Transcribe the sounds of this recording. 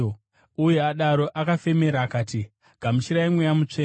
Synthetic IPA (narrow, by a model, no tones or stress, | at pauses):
ujeaɗaɾo̞ʔakafe̞me̞ɾaːkaːti | ɡ̥ʱamuʃiɾaimwejamut͡ʂeː